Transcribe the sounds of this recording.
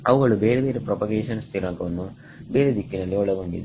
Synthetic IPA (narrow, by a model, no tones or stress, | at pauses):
ɐʋuɡɐɭuʋeːɾeʋeːɾepɾopɐɡeːʃɐnst̪ʰiɾɐŋkɐunːu | ʋeːɾed̪ikːinɐlːiɔɭːɐɡuɳɖḭnd̪i